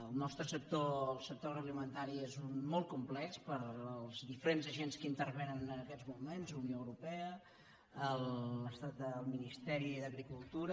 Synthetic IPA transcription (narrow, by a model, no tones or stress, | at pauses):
əlˠnɔst̪ɾəsək̚t̪oəlˠsək̚t̪orəɣlimənt̪aɾiezunmɔl̚ˠkumplɛkspəɾəlˠzðifəɾenzəʒenskəint̪ərβenənənəkɛd͡zmumenzunjoəwɾupɛə | əlˠəst̪at̪̚əlˠminist̪ɛɾiðəɣɾikulˠt̪uɾə